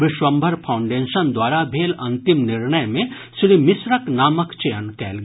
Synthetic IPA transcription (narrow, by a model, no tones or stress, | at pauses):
ʋɪʃwɐmbʱəɾpʰaʊ̃ɳɖeːʃənd̪waːɾabʱeːlɐ̃nt̪ɪmnɪɾɳəjmẽ | sɾimɪsɾəknaːməkt͡ʃejənkɛːlɡ